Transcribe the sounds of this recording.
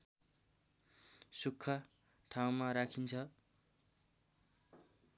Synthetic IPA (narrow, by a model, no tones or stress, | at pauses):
sukʰːʌ | ʈʰaw̃maɾakʰint͡sʰʌ